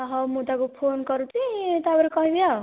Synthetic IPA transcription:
ɦʌmud̪akopʰonkʌɾut̪ʰit̪ːbʌɾikʌɦibja

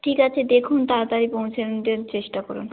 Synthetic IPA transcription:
ʈʰikat͡ɕʰed̪ekʰunt̪aɾt̪aɾipowt͡ɕʰed̪eɾt͡ɕeʃʈakɔ̰ɾṵn

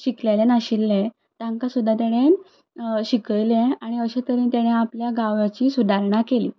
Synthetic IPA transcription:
ɕiklelenaɕilːe | t̪ãŋkasud̪ʱːat̪aɽ̃e | ɕikəjlẽaɽ̃iəɕet̪əɾint̪aɽ̃eapljaɡaʋjat͡ɕiːsud̪ʱaɾɳakelḭː

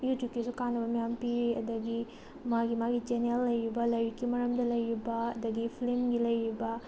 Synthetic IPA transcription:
jutjup̚kːisukanːɐbɐmijampiɾiɐd̪ɐɡi | maɡimaɡid͡ʒenelːɐjɾibɐlɐjɾikːimɐɾɐmdɐlɐjɾibɐɐd̪ɐɡipʰilimɡilɐjɾibɐ

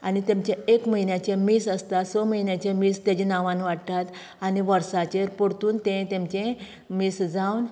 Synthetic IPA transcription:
anit̪ẽmt͡ɕẽekməɦinjat͡ɕemisəst̪asoməɦinjat͡ɕẽmist̪jad͡ʑẽnaʋãnʋaʈt̪at̪ | aniʋəɾsat͡ɕeɾpoɽt̪uːnt̪ɛ̃t̪ẽmt͡ɕẽ | misd͡zawn

